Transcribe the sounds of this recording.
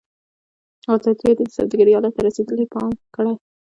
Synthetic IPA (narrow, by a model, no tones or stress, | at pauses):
at̪ɑt̪ed̪id̪əsa̰wd̪aɡaɾijɑlɑt̪ːaɾased̪əlepɑmkəɽaj